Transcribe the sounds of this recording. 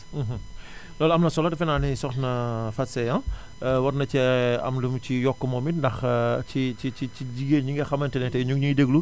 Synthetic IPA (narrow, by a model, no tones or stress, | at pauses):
ɦ̩ | lɔlɐmnɐsɔlɐdɐfɛnaːnisɔxnɐfɐtsɛjã | wɐɾnɐcɛɐ̰mlumcijɔkːəmɔmitndɐxt͡ʃiiit͡ʃiɟiɡeɲiŋɡɐxɐmɐntɛnɛtɛɲukɲuideɡlu